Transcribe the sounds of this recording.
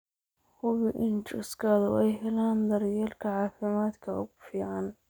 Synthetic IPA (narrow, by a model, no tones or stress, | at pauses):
hʊβɪʔɪnt͡ʃʊskʰɐðʊɛjɦɛlaːnd̪ɐɾjɛːlkʰɐʕɑːfɪmaːd̪kʰɐʊ̰ɣʊfiːʕɑn